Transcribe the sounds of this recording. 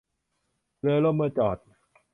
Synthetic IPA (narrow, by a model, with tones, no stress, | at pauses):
lɯ˧lo˥˩˨mɯː˧t͡ɕɔː˨˩t̪̚